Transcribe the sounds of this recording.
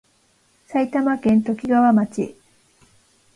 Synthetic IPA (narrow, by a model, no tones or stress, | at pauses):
sait̪amakẽ̞nt̪o̞kʲiɡaβamat͡ɕḭ